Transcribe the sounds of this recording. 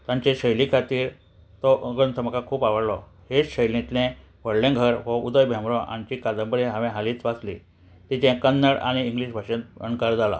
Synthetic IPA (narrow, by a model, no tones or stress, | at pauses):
t̪ãɲt͡ɕeɕəjlikʰat̪iːɾ | t̪ɔʔɡənt̪ʰəməkakʰuːpaʋəɽlɔ | heɕəjlĩt̪lẽ | ʋəɽlẽɡʱəɾʋəud̪əjbʱjãmɾɔ̃ʔa̰ɲt͡ɕikad̪əmbəɾeɦãʋẽɦaliːt͡sʋat͡slḭ | t̪it͡ɕɛ̃kənːəɽa̰ɽ̃iːŋɡliɕbʱaɕẽt̪̚ə̰ɳkaɾd͡zala̰